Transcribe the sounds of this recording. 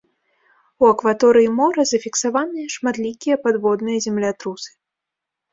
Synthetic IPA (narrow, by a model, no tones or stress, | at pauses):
uɐkvat̪ɔɾɨjimɔɾɐzɐfʲiksavanɨjɐʂmat̪lʲikʲijɐpad̪vɔd̪nɨjɐzʲɛmlʲat̪ɾusɨ̥